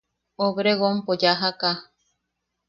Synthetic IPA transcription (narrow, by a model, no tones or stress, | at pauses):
oβɾeɣompod͡ʒaɦaka